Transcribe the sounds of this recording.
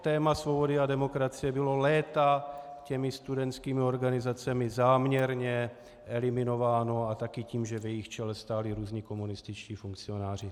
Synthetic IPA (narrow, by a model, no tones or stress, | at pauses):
t̪ɛːmasvo̞bo̞dɪadɛmo̞kɾat͡sɪjɛbɪlo̞lɛːt̪acɛmɪst̪udɛnt͡skiːmɪo̞ɾɡanɪzat͡sɛmɪzaːmɲɛɾɲɛ | ʔɛlɪmɪno̞vaːno̞at̪akɪciːmʒɛvjɛjɪxt͡ʃɛlɛst̪aːlɪɾuːzɲiko̞munɪst̪ɪt͡ʃciːfuŋkt͡sɪo̞naːr̝ɪ